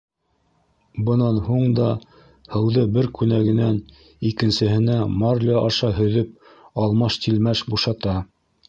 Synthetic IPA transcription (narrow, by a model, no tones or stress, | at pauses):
bɤ̆nɑnhuɴd̪ɑ | hɤ̆wðɤbɘɾkʉnæɡɘ̆næn | ikɘ̆nsɘ̆ɦɘ̆næmɑɾlʲɑʔɑʃɑɦɵ̆ðɵp̚ | ɑlˠmɑʃt̪ilmæʃbuʃɑt̪ɑ